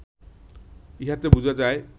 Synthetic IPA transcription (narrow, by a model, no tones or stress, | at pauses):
iɦat̪ebud͡ʑʱad͡ʒae